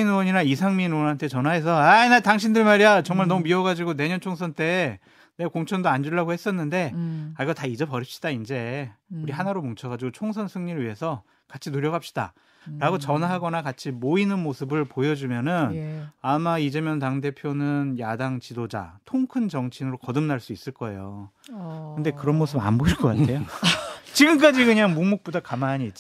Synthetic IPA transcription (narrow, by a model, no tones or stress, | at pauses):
inʌɲinaisʰaŋminwʌnɦantʰe̞t͡ɕʌnɦaɦe̞s̬ʰʌainataŋɕʰindɯɭmaɾiat͡ɕʌŋmaɭnʌmumiʌɡad͡ʑiɡone̞ɲʌnt͡ɕʰoŋsʰʌnt͈e̞ | nekoŋt͡ɕʰʌndoand͡ʑuɭːaɡohe̞s͈ʌnːɯnde̞aɭiɡʌtaid͡ʑʌpʌɾip̚ɕ͈i̥d̥aind͡ʑe̞uɾiɦanaɾomoŋt͡ɕʰʌɣad͡ʑiɡot͡ɕʰoŋsʰʌnsʰɯŋɲiɾɯɭɥiɦe̞sʰʌ | kat͡ɕʰinuɾjʌɡap̚ɕ͈i̥da̰ | ɾaɡot͡ɕʌnaɦaɡʌnakat͡ɕʰimoinɯnmosʰɯbɯɭpojʌd͡ʑumjʌnɯnamaid͡ʑemjʌntaŋde̞pʰjonɯnjadaŋt͡ɕidod͡ʑa̰tʰoŋkʰɯnd͡ʑʌŋt͡ɕʰinɯɾokʌdɯmnaɭs͈uis͈ɯɭk͈ʌe̞jo | kɯnde̞kɯɾʌnmosʰɯba̰nboiɭk͈ʌk͈atʰe̞jot͡ɕiɡɯmk̬͈ad͡ʑiɡɯɲaŋmumuk̚p͈odakamaɲiːt͡ɕ͈i